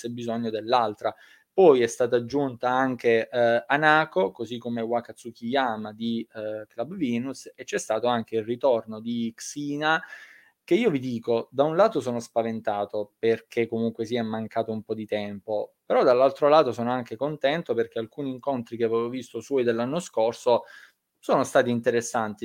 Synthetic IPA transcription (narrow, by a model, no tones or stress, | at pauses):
sɛbːizoɲːod̪elːalt̪ɾa | pɔjɛst̪aːt̪aːd͡ʒːunt̪aaŋk̟eanaːkokozikːomewakat̪sukijaːmad̪iklabviːnuset͡ʃːɛst̪aːt̪oaŋk̟eilrit̪ornod̪iksiːna | k̟eiːovid̪iːkod̪aunlaːt̪osoːnospavent̪aːt̪operkʰekːomuŋkwesiɛmːaŋkaːt̪oumpɔd̪it̪ɛmpopeɾɔd̪alːalt̪ɾolaːt̪osoːnoaŋkekont̪ɛnt̪operk̟ealkuːniːŋkont̪ɾikeavɛvovist̪oswɔːjd̪elːanːoskorso | soːnost̪aːt̪iːnt̪eɾesːant̪i